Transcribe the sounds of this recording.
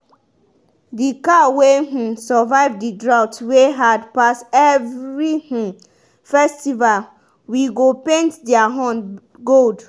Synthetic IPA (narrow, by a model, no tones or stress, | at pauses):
dikaweh̩sɔvaɪvdidɹawtweɦadpasɛvɹih̩ | fɛstival | wiɡopẽntdɛaɦɔ̃n | ɡold